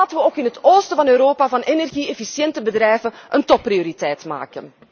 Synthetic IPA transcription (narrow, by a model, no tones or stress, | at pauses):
aːtəʋəoːkɪnɦətoːstəvɑnøːɾoːpaːvɑnʔenɛrɣiɛfisjɛntəbədrɛjvənʔəntɔpːrioːɾitɛjtma̰ːkən